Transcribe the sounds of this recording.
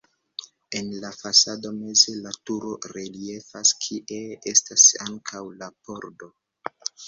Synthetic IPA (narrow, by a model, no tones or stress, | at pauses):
e̞nlafasado̞me̞ze̞latuɾo̞ɾelie̞faskʰiʔee̞stasaŋkʰawlapo̞ɾdo̞